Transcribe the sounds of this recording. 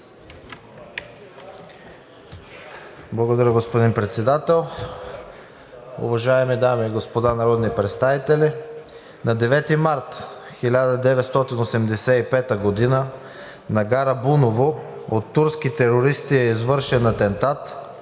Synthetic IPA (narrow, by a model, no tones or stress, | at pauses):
blˠɐɡod̪ɐɾʲəɡospod̪inpɾɛt̪sɛd̪at̪ɛlˠ | ʊ̰vɐʒaɛmid̪amiːɡospod̪anɐɾɔd̪nipɾɛt̪st̪avit̪ɛli | nɐd̪ɛvɛt̪imaɾt̪xilʲad̪əd̪ɛvɛt̪st̪ɔt̪inosɛmd̪ɛsɛipɛt̪əɡod̪inə | nɐɡaɾɐbunovoot̪ːuɾskit̪ɛɾoɾist̪iɛizvɤɾʃɛnɐt̪ɛnt̪at̪